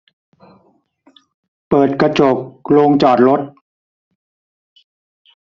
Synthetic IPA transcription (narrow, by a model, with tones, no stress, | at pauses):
pɤː˨˩t̪̚kɾa˧t͡ɕo˨˩p̚loː˧ŋt͡ɕɔː˨˩t̪̚ɾo˦˥t̪̚